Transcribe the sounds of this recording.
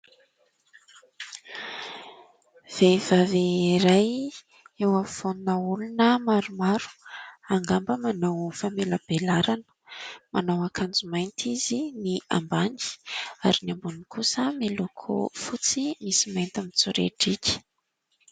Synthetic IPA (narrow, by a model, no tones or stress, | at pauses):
v̥ev̥aveiɾaj | ewafonunəulunəmaɾumaɾu̥aŋɡambəmanawfamelab̥elaɾanə̥manawakʰand͡zumajnt̪ʰizinia̰mbandi̥aɾinambunikʰusəmelokʰo̰fut͡simisimajnt̪amit͡suɾḛʈ͡ʂikʲi̥